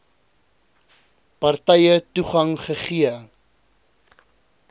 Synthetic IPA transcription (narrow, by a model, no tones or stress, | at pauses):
pɐrtɛjətuχɐŋχəχiə